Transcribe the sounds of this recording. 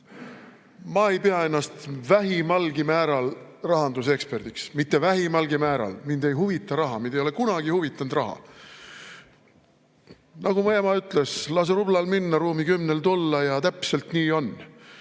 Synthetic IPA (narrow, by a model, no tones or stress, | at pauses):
mɑe̞jpeɑe̞nːɑst̪væɦimɑlɡ̥imæːɾɑlrɑɦɑnd̪use̞kspe̞rd̪̥iksmit̪ːe̞væɦimɑlɡ̥imæːɾɑ̰lmind̪̥e̞jɦuvit̪ːˑɑɾɑɦɑmind̪ejolekunɑɡ̥ihuvit̪ˑːɑnd̪̥rɑɦɑ̰ | nɑɡumɑjemɑyt̪ˑleslɑs̬eɾublɑlminːɑɾuːmikymnelt̪ulːɑjɑt̪æpse̞lt̪niːo̞n